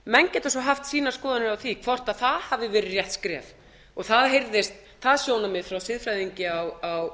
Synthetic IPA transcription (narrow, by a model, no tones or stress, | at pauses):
mɛncɛt̪asɔɦaft̪siːnḁskɔːðanɪɾawθikʰvɔr̥t̪aðθaðhavðɪvɛːɾɪɾrjɛht̪skɾɛ̰ːv | ɔɣθaðɦejɾðɪst̪ | θaðsjownamɪðfɾawsɪðfɾajðiɲcɪawaw